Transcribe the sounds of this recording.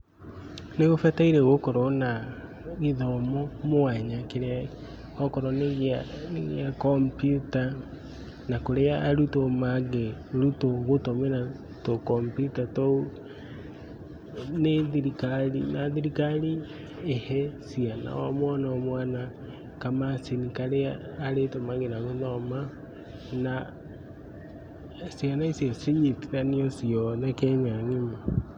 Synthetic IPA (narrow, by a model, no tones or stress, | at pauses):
neɣofataiɾeɣokɔɾɔna | ɣiðɔmɔmoaɲakeɾ | ɔkɔɾɔneɣneɣeakɔmpjuta | nakoɾeaːɾutomaɡɛɾutoɣotomena | tokɔmpjutatɔu | neðiɾikalinaðiɾikali | ehɛsiana̰wa̰mwanawamwaːna | kamasinikaɾeaːɾetomaɡenaɣunɔma | na | sianaisjɔsiɲitiɾaniɔsiɔnakɛmaŋima